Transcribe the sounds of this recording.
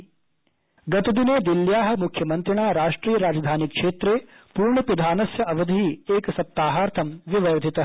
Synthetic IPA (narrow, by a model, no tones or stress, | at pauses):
ɡɐt̪ɐd̪ineːd̪iljaːɦɐ̆mukʰjɐmɐnt̪ɾiɳ̃aːɾaːʂʈɾiːjɐɾaːd͡ʒɐd̪ʱaːnikʂeːt̪ɾeː | puːɾɳɐpid̪ʱaːnɐsjɐʔɐʋɐd̪ʱiieːksɐp̚t̪aːɦaːɾt̪ʰɐmʋiʋɐɾd̪ʱit̪ɐɦ